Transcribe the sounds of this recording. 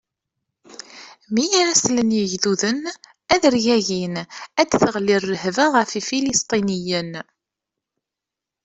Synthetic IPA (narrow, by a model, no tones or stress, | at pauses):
mijaɾæslənjəʝðuðən | æðəɾʝæʝinæd̪θəʁlirːəhvaʁəfifilist̪ˤinijən